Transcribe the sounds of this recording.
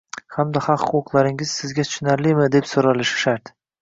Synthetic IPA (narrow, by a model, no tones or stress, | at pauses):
hamd̪aχɑqχʊqʊqlˠaɾɪŋɪz̥sɪzɡʲat̪ʰʊ̥ʃnaɾlimɪd̪e̞psoɾalɪʃɪ̥ʃaɾt̪